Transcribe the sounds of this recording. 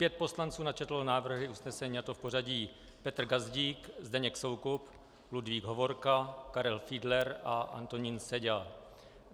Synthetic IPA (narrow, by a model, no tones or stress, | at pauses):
pjɛt̪̚po̞slant͡suːnat͡ʃɛt̪lonaːvr̩ɦɪʔusnɛsɛɲiːat̪ofpo̞r̝aɟiː | pɛt̪r̩ɡazɟiːkzdɛɲɛkso̞wkup | ludviːɡɦovo̞ɾkakaɾɛlfiːdlɛɾʔaʔa̰nt̪o̞ɲiːnsɛɟɛl